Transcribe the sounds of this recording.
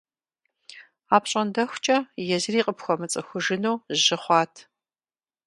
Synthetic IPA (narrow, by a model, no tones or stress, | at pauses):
aːpɕʼɐndɐxʷt͡ʃʼɐjɛzriːqʼəpxʷɔmɨt͡sʼɐxʷʊʒɨnowʒɪχʷɑːtʰ